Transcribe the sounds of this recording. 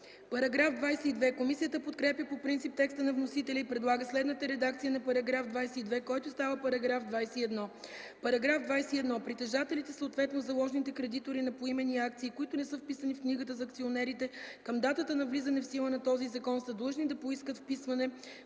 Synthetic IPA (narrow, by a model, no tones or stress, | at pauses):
pɐɾɐɡɾafd̪vajsɛid̪vɛkomisijət̪əpot̪kɾɛpjəpopɾint̪sip̚t̪ɛkst̪ənɐvnosit̪ɛlʲəipɾɛd̪lˠaɡəslɛd̪nət̪əɾɛd̪akt̪sijənɐpɐɾɐɡɾafd̪vajsɛid̪vɛkɔjt̪ʊst̪avəpɐɾɐɡɾafd̪vajsɛiɛd̪nɔpɐɾɐɡɾafd̪vajsɛiɛd̪nɔpɾit̪ɛʒat̪ɛlit̪ɛsəot̪vɛt̪nozɐlˠɔʒnit̪ɛkɾɛd̪it̪oɾinɐpoimɛniakt̪siːkoit̪ʊnɛsəfpisənifkniɡət̪əzɐkt̪sionɛɾit̪ɛkəmd̪at̪ət̪ənɐvlizɐnɛfsilˠənɐt̪ɔzizɐkɔnsəd̪lˠəʒnid̪ɐpoiskət̪fpisvɐnɛ